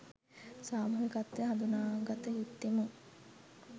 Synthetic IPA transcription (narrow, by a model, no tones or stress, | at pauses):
saːmɐɦekat̪ːəɦad̪unaːɡat̪əɦit̪ːemuŋ